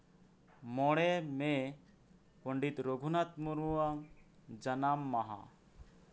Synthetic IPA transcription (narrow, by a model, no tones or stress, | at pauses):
mɔɽɛme | pɔɳɖit̪ɾoɡʱunat̪̚muɾuwaŋ | d͡ʒanamːaɦa̰